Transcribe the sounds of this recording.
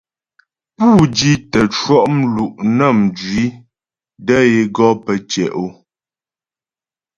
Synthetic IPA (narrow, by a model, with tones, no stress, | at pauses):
puː˦˨d͡ʒi˦tə˨t͡ʃwɔ˦ʔm̩˦lu˨ʔnə˦˨m˨d͡ʒɥi˨˦ | də˦je˨ɡɔ˦pə˨t͡ʃɛ̰˨ʔo˦